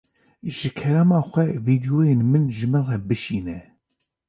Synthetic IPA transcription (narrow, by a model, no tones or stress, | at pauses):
ʒɨkʰɛɾɛmɑːxʷɛviːd̪ijoːjenmɨnʒɨmɨnrɛbɨʃiːnɛ